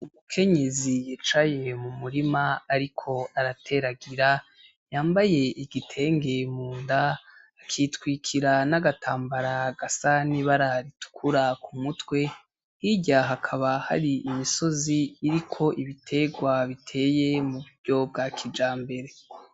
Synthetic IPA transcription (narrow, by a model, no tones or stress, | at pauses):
umukʰe̞ɲe̞zijiːt͡ʃaje̞mumuɾimaaɾikʰo̞aɾatʰe̞ɾaɡiɾa | jaːmbaje̞ʔiɡitʰe̞ːŋɡe̞muːndaː | kʰitwiːkʰiɾanaɡatʰaːmbaɾaɡ̥asaniβaɾaɾitu̥kʰuɾakumutwe̞ | hiɟaɦakʰaβaha̰ɾiimiso̞ziːɾikʰo̞ʔiβitʰe̞ɡwaβitʰe̞ːje̞muβuɾɟo̞bɡaːkʰid͡ʒaːmbe̞ɾe̞